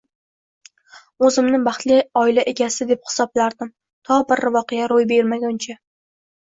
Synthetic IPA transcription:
ɵzɪmnɪbɑχt̪liɒɪlaʔe̞ɡʲasɪd̪e̞phɪ̥sɒblaɾd̪ɪm | t̪ʰɒbɪɾvɒqejaɾojbe̞ɾmaɡʲaʊnt͡ʃʰa

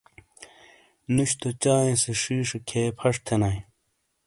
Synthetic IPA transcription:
nuɕt̪ʰot͡ɕaːjẽːseʂiːʂekʰeːpʰɐʂt̪ʰenɐj

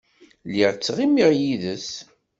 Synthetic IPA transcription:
liʁt͡sːʁimiʁjiðəs

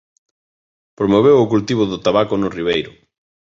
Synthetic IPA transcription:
pɾomoβ̞ewʊkult̪iβ̞ʊðʊt̪aβakʊnʊriβ̞ejɾʊ

